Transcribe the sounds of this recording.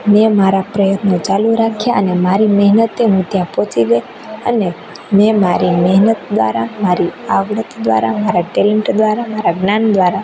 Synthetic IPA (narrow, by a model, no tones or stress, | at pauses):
memaɾapɾəjət̪not͡ʃaluɾakʰjaʔənemaɾimɛɦnət̪eɦũt̪jãpɔ̃t͡ʃiɡə | əne | memaɾimɛɦnət̪d̪ʋa̰ɾamaɾiaʋɽət̪d̪ʋa̰ɾa̰maɾaʈeləɳʈd̪ʋaɾamaɾaɡnand̪ʋaɾa